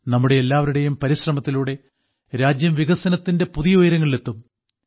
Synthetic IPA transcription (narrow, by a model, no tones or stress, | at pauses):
nɐmːuɽe̞ːlːaːʋɐɾuɽe̞jumpɐɾiɕrɐmɐt̪ːiluːɽe̞ | ɾaːd͡ʑjɐmʋiɣɐsɐnɐt̪ːinde̞puðijɐoːjɾɐŋːɐɭet̪ːum